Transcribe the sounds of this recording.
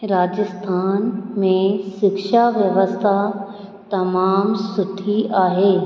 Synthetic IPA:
ɾaːd͡ʒəst̪ʰaːnmẽʃɪkʃaʋjəʋəst̪ʰa | t̪ɐmaːmsʊʈʰiaːɦeː

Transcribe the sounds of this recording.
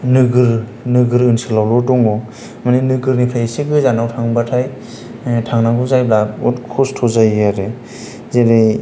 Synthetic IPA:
nɯɡɯɾ | nɯɡɯɾɯnsɯlawlɔtɔŋɔ | maninɯɡɯɾnipʰɾajsiɡɯzanawtʰaŋbatʰaj | tʰaŋnaɡuzajblaɔtkʰɔstʰɔzajaɾe | zeɾaj

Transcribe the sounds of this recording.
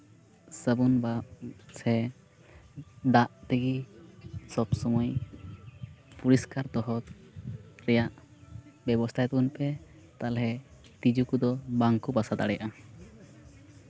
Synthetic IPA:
səbunbaʔsɛ | d̪aʔt̪iɡi | sɔbsɔmɔj | puɾiskaɾd̪ɔɦɔt̪̚ | ɾɛjaʔ | bɛbɔst̪ʰajt̪unpɛ | t̪alɦɛ | t̪id͡ʒukud̪ɔbaŋkubasad̪a̰ɽɛja̰ʔa

